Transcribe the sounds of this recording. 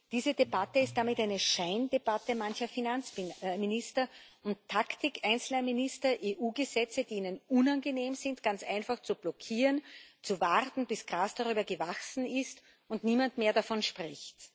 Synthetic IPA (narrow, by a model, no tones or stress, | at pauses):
d̥iːzədebatəɪst̚d̥amɪtaɪnəʃaɪndeb̥atəmançɐfinant͡smɪnɪstɐʊnttʰːaktɪkʰʔaɪnt͡sl̩ɐminɪstɐʔeʔuːɡəzɛt͡səd̥iːiːnənʊnanɡəneːmzɪntɡ̥ant͡sʔa̰ɪnfaχt͡sub̥lɔkʰiːʁənt͡suvaʁtn̩b̥ɪsɡ̥ʁaːsd̥aʁyːbɐɡəvaksn̩ɪst | ʊntniːmantmeːɐdafɔnʃpʁ̥ɪçt